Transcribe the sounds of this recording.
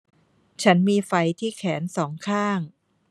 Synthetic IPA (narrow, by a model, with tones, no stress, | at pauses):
t͡ɕʰa˦˥nmiː˧fa˧jt̪ʰiː˥˩kʰɛː˩˦nsɔː˩˦ŋkʰaː˥˩ŋ